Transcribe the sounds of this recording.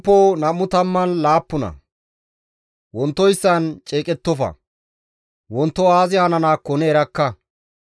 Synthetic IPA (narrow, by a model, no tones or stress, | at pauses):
pːɔnɐmːʊt̪ɐmːɐnlaːpːʊnɐ̰ | wɔnt̪ːɔjsːɐnt͡ʃʼeːkʼɛt̪ːɔfɐ̰ | wɔnt̪ːɔaːzɪhaːnɐnaːkːɔneːɾɐkːɐ